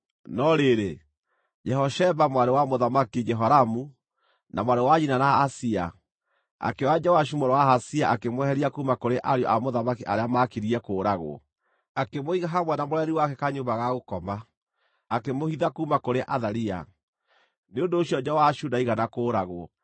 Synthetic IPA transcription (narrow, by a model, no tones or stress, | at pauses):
nɔɾeɾe | d͡ʒɛɦɔʃɛβamwaɾewamoðamakid͡ʒɛɦɔɾamu | namwaɾewaɲinanaːsia̰ | a̰kewad͡ʒawaʃ̬umoɾewaɦasiaʔakemwɛhɛɾiakumakoɾeʔaɾjɔʔamoðamakiʔaɾeamakiɾiɛkoːɾaɣo̰ | akemoiɣaɦamwɛnamoɾɛɾiwakɛkaɲombaɣaɣokɔma | akemohiðakumakoɾeʔaðaɾia̰ | neondoːɕiɔd͡ʒawaʃunaiɣanakoːɾaɣo